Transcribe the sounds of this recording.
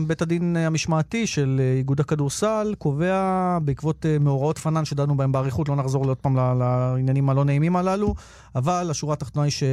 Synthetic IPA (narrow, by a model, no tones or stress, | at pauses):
betadinamiʃmaːtiʃe̞leiɡudakaduʁsalko̞ve̞abeikvo̞temeoʁao̞tfananʃedadnubaembeaʁiχutlo̞naχzo̞ʁlio̞d̚paːmlalainjanimalo̞neimimalalu | avalaʃuʁaːt̪aχt̪o̞najiʃe